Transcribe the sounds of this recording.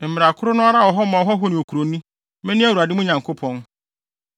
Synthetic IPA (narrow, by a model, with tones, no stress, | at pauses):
m̩˨mɪ˨ɾa˨kʰʊ˦ɾʊ˦nʊ̃˦a˦ɾa˦˨wɔ˨ɦɔ˦mã˨ɔ˨ɦɔ˦ɦɔ˦nɪ̃˨o˨kʰu˨ɾo˨nũ˦ | mɛ̃˦nɪ̃˦æ˦˨wu˨a˨dɪ˦mʊ̃˦ɲã˨ŋkʰo˦pʰɔ̃˦n